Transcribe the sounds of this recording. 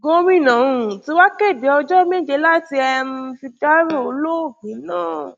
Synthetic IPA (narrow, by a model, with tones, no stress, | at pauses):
ɡo˦mĩ˦˨nã˨ũ˨ti˨˦wa˦ke˦˨de˨˦ɔ˧d͡ʒɔ˦me˦˨d͡ʒe˨˦la˦˨ti˧ɛ˧m̩˧fi˧da˦ɾo˦o˧lo˦o˦˨ɡĩ˨˦nãː˦˨